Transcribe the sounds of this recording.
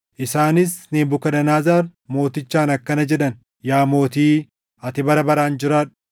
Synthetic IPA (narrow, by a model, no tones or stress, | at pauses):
ʔɪsaːnɪsneːmbʊkɐᶑɐnaːzaːɾmo̞ːt̪ɪt͡ʃːaːnɐkːɐnɐd͡ʒɛᶑɐn | jaːmo̞ːt̪iː | ɐt̪ɪbɐɾɐbɐɾaːnd͡ʒɪɾaːᶑʊ̥